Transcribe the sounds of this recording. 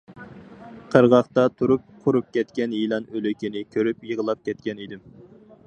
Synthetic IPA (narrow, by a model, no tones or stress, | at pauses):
qʰəɾʁɑχt̪ɑt̪ʰuɾup̚qʰʊɾup̚kʲɛt̪kʲɛnjilˠɑnølykʲinɪkʲʰøɾypjəʁəlˠɑp̚kʲʰɛt̪̚kʲɛnid̪ɪm